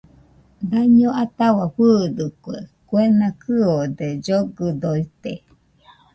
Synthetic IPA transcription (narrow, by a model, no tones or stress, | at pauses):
d̪aɲoʔat̪awaɸɨd̪ɯkuḛkwenakʰɨod̪ed͡ʒoɡɯd̪oit̪e